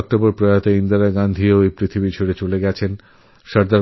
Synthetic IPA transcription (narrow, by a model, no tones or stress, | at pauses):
k̚ʈoboɾpɾojat̪eind̪aɾaɡand̪ʱioejpɾit̪ʰibit͡ɕʰoɽet͡ɕoleɡɛt͡ɕʰen | ʃaɾd̪a